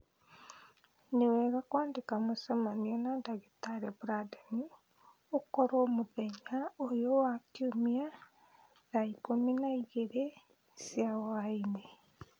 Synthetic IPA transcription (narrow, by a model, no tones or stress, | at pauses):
newɛːɣakwaːndekamosamanianadaɣetaɾebuɾadani | okɔɾoːmoðɛɲaojowakjomia | naikominaiɣeɾe | sjawaine